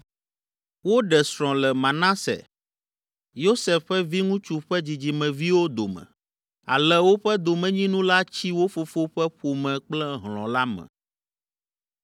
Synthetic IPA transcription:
wo˦ɖɛ˨sɾɔ̃˨lɛ˨mã˨nã˦sɛ̰˨ | jo˦sɛ˨fːɛ˦vi˦ŋũ˦t͡ʃu˦ɸɛ˦d͡ʑi˨d͡ʑi˨mɛ̃˨vi˦wo˦d̪o˨mɛ̰̃˨ | a̰˨lɛ˦wo˦ɸɛ˦d̪o˨mɛ̃˨ɲĩ˦nũ˦la˦t͡ɕi˦wo˦fo˨fo˦ɸɛ˦ɸo˨mɛ̃˨k͡plɛ˦ɦlɔ̰̃˨la˦mɛ̰̃˨

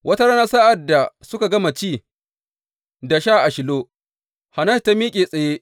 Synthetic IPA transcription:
wʔɐ˦ta˦ɾa˦naː˦sa˦ʔa˨da˨sʊ˦ka˨ɡɐ˦ma˨t͡ʃiː˦˨ | da˨ʃaː˦ʔa˨ʃɪ˨loː˦ | ha˨nɐ˦˨ta˦miː˦kʲʼeː˨sʼɐ˨jeː˦ʔ

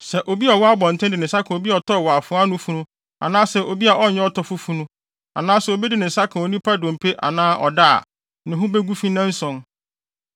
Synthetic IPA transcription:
sɛ˨ʔo˨bi˦a˨wɔ˦a˦bɔ̃˨n̩˨tʰɛ̃˦dɪ˨nɪ̃˨sa˦kʰã˨o˨bi˦a˨ɔ˨tʰɔ˦˨wɔ˨a˨fʊ̃˦a˦nʊ̃˦fũ˦nʊ̃˦ | a̰˨nãː˦sɛ˨ʔo˨bi˦a˨ʔɔ˦˨ɲɛ̃˦ɔ˦tʰɔ˦fʊ˦fũ˦nũ˦ | a̰˨nãː˦sʊ˨o˨bɛ˦dɪ˨nɪ̃˨sa˦kʰã˨o˨nĩ˦pʰa˦dɔ̃˨m̩˨pʰe˦ʔa̰˨nãː˦ʔɔ̰˨da̰˦˨ | nɪ̃˨ɦʊ̃˦be˦ɡu˦fĩ˦nã˦n̩˦sɔ̃˨n

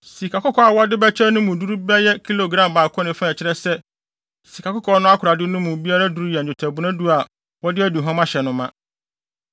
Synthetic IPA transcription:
si˨kʰa˨kʊ˦kʰɔ˨a˨wɔ˦dɪ˦bɛ˦t͡ɕʰɛ˦nʊ̃˦mũ˨du˦ɾu˦bɛ˦jɛ˦kʰi˦lo˨ɡɾã˨mbaː˨kʰɔ̃˦nɪ̃˨fã˦ɛ˨t͡ɕʰɪ˦ɾɛ˦sɛ˦ | si˨kʰa˨kʊ˦kʰɔ˨˦nʊ̃˦a˦kʰʊ˨ɾa˨dɪ˦nʊ̃˦mũ˨bi˦a˦ɾa˦du˦ɾu˦jɛ˨ʊ˨tʰɛ˨bʊ˦nã˦du˦a˨ | wɔ˦dɪ˦æ˦du˨ɦɔ̃˦mã˦ɕɛ˨nʊ̃˦mã˦

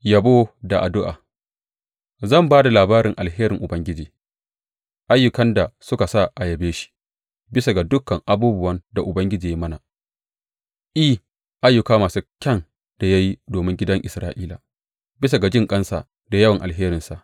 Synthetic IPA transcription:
jɐ˨boː˦da˨ʔa˨dʊ˦ʔa̰ː˨ | zɐ˦˨mbaː˦da˨laː˨baː˦ɾɪ˨ŋʔa˨lɦeː˦ɾɪ˨ŋʔʊ˨bɐ˦ŋɡʲɪ˦d͡ʒiː˨ | ʔa˦jːʊ˨kɐ˦nda˨sʊ˦ka˨sa˦˨ʔa˨jɐ˨beː˦ʃi̥˦ | bɪ˦sa˨ɡa˨dʊ˦kːɐ˨ŋʔa˦buː˦bʊ˦wɐ˦nda˨ʔʊ˨bɐ˦ŋɡʲɪ˦d͡ʒiː˨ji˦mɐ˦na˨ | ʔi˦ | ʔa˦jːʊ˨kaː˦maː˨su˦kʲɐ˦n | d̥a˨ja˦ji˦doː˨mɪ˦ŋɡʲɪ˦dɐ˦ŋʔɪ˨sɾaː˦ʔiː˦la̰ː˨ | bɪ˦s̬a˨ɡa˨d͡ʒɪ˦ŋkʼɐ˦nsa̰˨ | da˨jɐ˦wɐ˨ŋʔa˨lɦeː˦ɾɪ˨nsa˨ʔ

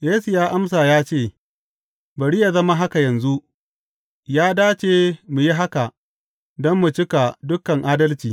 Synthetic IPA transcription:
jeː˦su˨jaː˦ʔa˦ms̬a˨jaː˦t͡ʃeː˦˨ | bɐ˨ɽiː˦ja˨zɐ˦ma˦ɦa˦ka˨jɐ˨nzu˦ʔ | jaː˦daː˦t͡ʃeː˨mu˨ji˦ɦa˦ka˨ʔ | dɔ˦mːu˨t͡ʃɪ˦ka˨dʊ˦kɐ˨ŋʔaː˦dɐ˦lt͡ʃiː˨

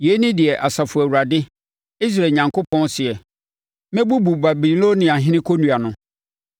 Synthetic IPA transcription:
je˨˦nɪ̃˦dɪ˨ɛ˨ʔa˨sa˨fʊ˨æ˨wu˨ɾa˨dɪ˦ | i˦s̬ɾaː˨ɲã˨ŋkʰo˦pʰɔ̃˦nsɪ˨ɛ˨ | mɛ̃˦bu˦bu˨ba˨bi˨lo˦nĩ˨a˨ɦɪ̃˦nɪ̃˦kʰo˦nũ˨a˨nʊ̃˦

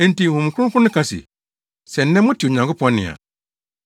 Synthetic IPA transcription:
n̩˦ti˦˨hũ˨m˨kʰkʰʊ̃˦nʊ̃˦kʰa˦sḭ˨ | sɛ˨n̩˦nɛ̃˦mʊ̃˦tʰi˨o˨ɲã˨ŋkʰʊ˦pʰɔ̃˦nɪ̰̃˨a̰˨

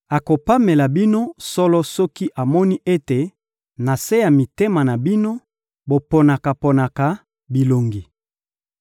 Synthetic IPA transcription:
a˨ko˨pa˦me˨la˨bi˦no˦sɔ˦lɔ˦sɔ˦ki˦ʔa˨mɔ˦ni˦ʔe˦te˨ | na˨se˦ja˨mi˨te˦ma˨na˨bi˦no˦ | bo˨po˨na˨ka˨po˨na˨ka˨ | bi˨lo˨ŋɡi˨

